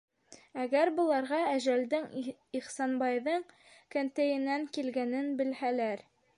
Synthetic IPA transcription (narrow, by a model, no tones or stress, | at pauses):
æɡæɾbɤ̆lˠɑɾʁɑæʒæld̪ɘŋiχsɑnbɑjðɤɴ | kænt̪æjɘ̆næŋkilɡænɘnbɘ̆lhælæɾ